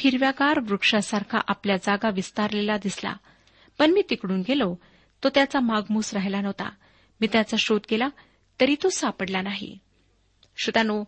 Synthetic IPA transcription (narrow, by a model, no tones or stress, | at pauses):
kʰiɾʋjaɡaɾʋɾukʂasaɾkʰa̰ʔapljad͡zaɡaʋist̪aɾlelad̪isla̰ | pəɳmiːt̪ikɽuːnɡelo | t̪ot̪jat͡samaɡmuːsɾaɦelanəʋt̪a̰ | miːt̪jat͡saɕot̪ɡela | t̪əɾiːt̪osapəɽlanaɦḭ | ɕut̪ano